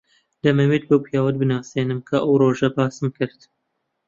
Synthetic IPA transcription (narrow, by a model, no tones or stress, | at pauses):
d̪ɐmɛweːt̪̚bɨwpʰijɑːwɐd̪̚bɨnaːseːnɨmkʰaʔɐwɾoːʒɛbɑːsɨmkɨɾt̪